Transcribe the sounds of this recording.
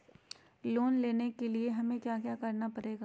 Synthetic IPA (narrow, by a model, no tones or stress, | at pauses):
loːnleːnekelieɦɐmẽkjaːkjaːkɐɾnapɐɾeːɡaː